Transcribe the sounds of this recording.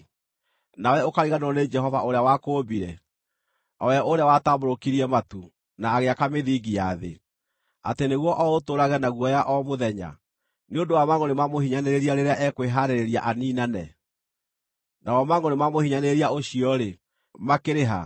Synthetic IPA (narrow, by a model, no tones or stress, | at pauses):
nawɛokaɾiɣanɔned͡ʒɛɦɔvaoɾeawakoːbiɾɛ | ɔwɛʔoɾeawataboɾokiɾiɛmatu | naːɣeakameðiːɡijaðḛ | a̰teneɣwɔʔɔotoɾaɣɛnaɣwɔjaʔɔmoðɛɲa̰ | neondowamaŋɔnemamohiɲaneɾeɾiaɾeɾeaʔɛkweɦaɾeɾeɾia̰ʔaniːnanɛ | nawɔmaŋɔnemamohiɲaneeɾiaoɕiɔɾe | makeɾeɦa̰